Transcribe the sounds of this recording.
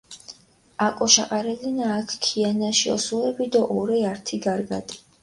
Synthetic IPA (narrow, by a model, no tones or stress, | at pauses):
akʼɔʃaqʼaɾɛlinaːkʰkʰianaʃiɔ̰suɛbid̪ɔʔɔɾɛaɾt̪ʰiɡaɾɡa̰t̪ʼi̥